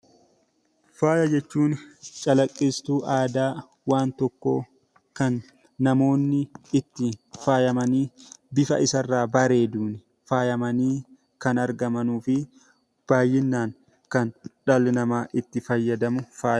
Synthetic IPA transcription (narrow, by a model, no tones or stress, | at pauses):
faːjɐd͡ʒɛt͡ʃːuːnt͡ʃʼɐlɐkʼːɪst̪uːʔaːd̪aː | waːnt̪ɔkːo̞̰ː | kɐnː | ɐmo̞ːnːɪɪt̪ːɪfaːjɐmɐniːbɪfɐ̰ʔɪsɐrːaːbɐɾe̞ːd̪uːnɪ | faːjɐmɐniː | kɐnɐɾɡɐmɐnuːfɪ | b̥aːjːɪnːaːŋ | kɐnᶑɐlɪnɐmaːʔɪt̪ːɪfɐjːɐd̪ɐmʊfaːjɐ